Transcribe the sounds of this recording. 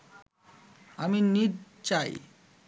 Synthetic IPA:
aminiɾ | t͡ɕaj

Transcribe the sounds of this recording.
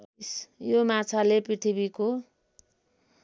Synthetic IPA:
sjomat͡sʰalepriʈ̪ʰibiko

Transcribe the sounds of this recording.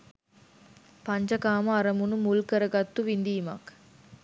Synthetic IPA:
paɲd͡ʒəkaːməaɾəmunumulkəɾəɡat̪ːuʋind̪iːma̰k

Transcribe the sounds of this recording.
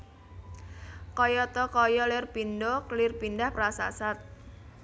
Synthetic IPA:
kɔjɔt̪ɔkɔjɔlɪrpindɔklɪrpindahpɾasa̰sat̪̚

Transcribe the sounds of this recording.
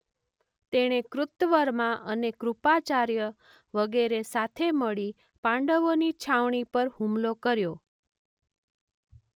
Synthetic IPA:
t̪eɽ̃ekɾʊt̪ʋəɾmãʔənekɾupat͡ʃaɾjə | ʋəɡeɾesat̪ʰeməɭi | pãɳɖəʋonit͡ʃʰaʋɳ̃ipəɾhũmlokəɾjo

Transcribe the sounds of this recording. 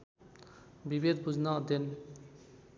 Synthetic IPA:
bibed̪bud͡ʑnad̪en

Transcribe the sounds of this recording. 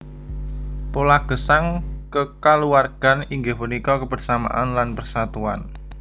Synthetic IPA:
polaɡ̥əsaŋkəkaluarɡ̥a̤niŋɡəhpənikɔkəbərsama̰ʔanlanpərsat̪ua̰n

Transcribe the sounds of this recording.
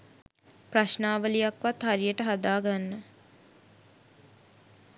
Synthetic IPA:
praʃnaːʋəlijakʋat̪haɾijəʈəɦad̪aːɡanːə

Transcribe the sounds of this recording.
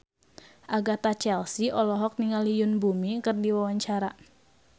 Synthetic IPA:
ʔaɡat̪at͡ʃɛlsiʔɔlɔɦɔk̚niŋalijʊnbumikɨrdiwawaɲt͡ʃaɾa

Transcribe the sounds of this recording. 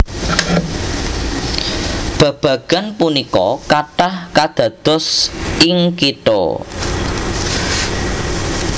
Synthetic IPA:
b̥a̤b̥ä̤ɡ̥a̤npunikɔ̰kaʈahkad̪̥ä̤d̪̥ɔ̤sɪŋkit̪o̰

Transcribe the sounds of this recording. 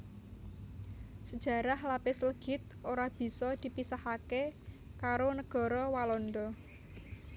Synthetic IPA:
səd̥ʒ̥ä̤ɾahlapɪsələɡ̥ɪ̤t̪̚oɾab̥i̤sɔd̪̥i̤pisahake | kaɾonəɡ̥ɔ̤ɾɔwalɔnd̪ɔ

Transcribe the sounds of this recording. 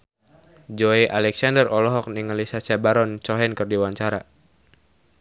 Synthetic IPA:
d͡ʒɔiʔalɛksandərɔlɔɦɔk̚niŋalisat͡ʃabaɾɔnt͡ʃɔɦɛnkɨrdiwaɲt͡ʃaɾa

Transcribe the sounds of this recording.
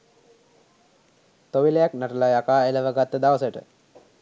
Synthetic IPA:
t̪oʋilejaknaʈəlajakaːeləʋəɡat̪ːəd̪aʋəsəʈə̰

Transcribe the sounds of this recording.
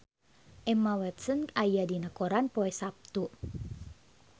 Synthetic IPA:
ʔɛmawɛt̪sənajadinəkoɾanpoɛsap̚t̪u

